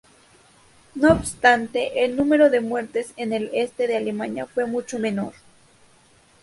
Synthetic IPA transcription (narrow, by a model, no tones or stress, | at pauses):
noːbst̪ant̪e̞ʔelnũme̞ɾo̞ðe̞mwe̞ɾt̪e̞senele̞st̪eðealemãnjafwe̞mut͡ʃo̞mẽ̞no̞ɾ